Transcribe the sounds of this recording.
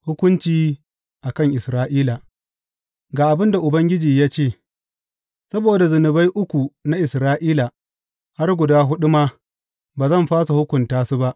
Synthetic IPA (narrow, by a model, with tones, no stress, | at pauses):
hʊ˦kʷʊ˦nt͡ʃiː˨ | ʔa˨kɐ˦ŋʔɪ˨sɾaː˦ʔiː˦la˨ | ɡaː˨ʔa˨bɪ˦nda˨ʔʊ˨bɐ˦ŋɡʲɪ˦d͡ʒiː˨jaː˦t͡ʃeː˦˨ | sɐ˦boː˨da˨zʊ˨nʊ˨ba˦jʔʊ˦kʷu˨na˦ʔɪ˨sɾaː˦ʔiː˦la˨ | ha˦rɡʷʊ˨daː˦ɦʊ˦ɗʊ˦ma˦ | baː˨zɐ˦˨mɸaː˦sa˨hʊ˦kʷʊ˨ntaː˦su˦ba˦ʔ